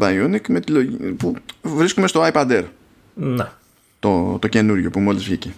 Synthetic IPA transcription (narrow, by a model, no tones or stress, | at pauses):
ɐjunikme̞t̪ilopuvɾiskume̞st̪oɐjpɐd̪eɾ | ne | t̪ot̪o̞ce̞nuɾʝo̞pumo̞lizvʝice